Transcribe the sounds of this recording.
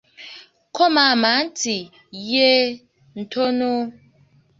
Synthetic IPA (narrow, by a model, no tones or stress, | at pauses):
komaman̩ti | je | n̩tʰono